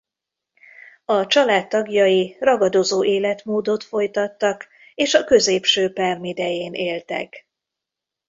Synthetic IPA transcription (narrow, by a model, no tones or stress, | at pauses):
ɒt͡ʃɒlaːt̪ːɒɡjɒjirɒɡɒd̪o̞zoːʔeːlɛt̪moːd̪o̞t̪fo̞jt̪ɒt̪ːɒk | eːʃɒkø̞zeːpʃøːpɛrmid̪ɛjeːneːlt̪ɛ̰k